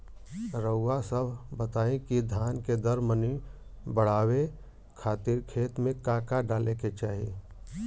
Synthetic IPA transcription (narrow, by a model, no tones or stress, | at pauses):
ɾəʊːasəbʱbət̪aːẽkid̪ʱaːnked̪əɾməni | bəɽ̤aːwe | kʰaːt̪ɪɾkʰeːt̪mẽkaːkaɖaːleket͡ʃaːɦḭ